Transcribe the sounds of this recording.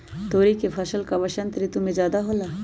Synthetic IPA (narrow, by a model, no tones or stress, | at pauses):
t̪oːɾikefʰɐʃəlkaʋɐʃənt̪ɾit̪ʊmẽd͡ʒaːd̪aɦoːlaː